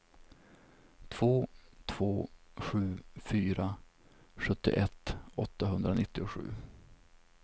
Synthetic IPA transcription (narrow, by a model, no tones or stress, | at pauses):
t̪ʰvoːt̪ʰv̥oːɧʉ̟ːfyːɾa | ɧɵt̪ːɪ̰ʔɛt̪ːɔt̪ːaɦɵnd̪ɾanɪt̪ːɪʊɧʉ̟ː